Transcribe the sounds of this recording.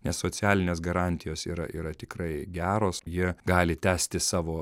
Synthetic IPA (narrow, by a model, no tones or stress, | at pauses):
nʲɛssoːt͡sʲæːlʲɪnʲeːsɡɐɾɑːnʲt̪ʲɪjoːsḭːɾɐ̰ʔiːɾɐt̪ʲɪkɾɐɪɡʲæːɾoːsjiɛɡɑːlʲɪt̪ʲæːsʲt̪ʲɪsɑːʋoː